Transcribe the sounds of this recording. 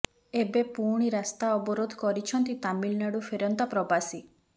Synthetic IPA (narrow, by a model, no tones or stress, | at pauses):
ebepuɾɽ̃iɾast̪aɔbɔɾod̪ʱkɔɾit͡ʃʰɔnt̪it̪amilnaɽufʰeɾɔnt̪apɾɔbasi